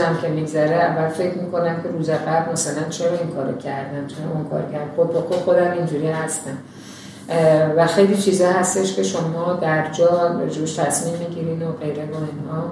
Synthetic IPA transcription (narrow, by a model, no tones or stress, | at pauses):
æmcʰʲe̞miɡzæɾeævːælfe̞cʰɾmiːko̞næmcʲʰe̞ɾuːzæɣæblmæsælænt͡ʃʰe̞ɾɒinkʰɒːɾo̰cʰæɾd̪æmt͡ʃʰeɾɒinkʰɒ̰ɾcʰæɾd̪æxobbɔxoxo̞d̪æmind͡ʒuːɾihæst̪æm | væxe̞jliːt͡ʃʰiːzɒːhæst̪eʃcʲʰe̞ʃo̞mɒːd̪æɾd͡ʒɒːɾḛd͡ʒebeʃt̪ʰæsminmiɟiɾinoɢe̞jɾevoinhɒː